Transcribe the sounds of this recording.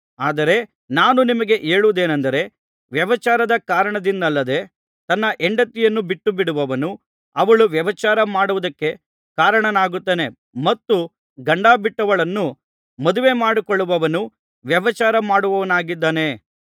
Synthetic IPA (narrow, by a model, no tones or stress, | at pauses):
aːd̪ɐɾe̞ | naːnunimɐɡe̞ʔeːɭuʋd̪e̞ːnɐnd̪ɐɾe̞ | ʋjɐʋɐt͡ʃaːɾɐd̪ɐkaːɾɐɳɐd̪ind̪ɐlːɐd̪e̞ | t̪ɐnːɐʔeɳɖɐt̪ːijɐnːubiʈːubiɽuʋɐʋɐnu | ɐʋɐɭuʋjɐʋɐt͡ʃaːɾɐmaːɽuʋud̪ɐkːe̞ | kaːɾɐɳɐnaːɡut̪ːeːne̞ | mɐt̪ːu | ɡɐɳɖaːbiʈːɐʋɐɭɐnːu | mɐd̪uʋe̞maːɽikɔɭːuʋɐʋɐnu | ʋjɐʋɐt͡ʃaːɾɐmaːɽuʋɐʋɐnaːɡid̪ːaːne̞